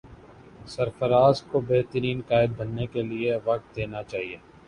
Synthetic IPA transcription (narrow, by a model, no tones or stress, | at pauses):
sɐɾfəɾaːskobeɦt̪əɾiːnkaːɪd̪̚bɐnːekelieʋɐk̚t̪̚d̪eːnat͡ʃaːɦieː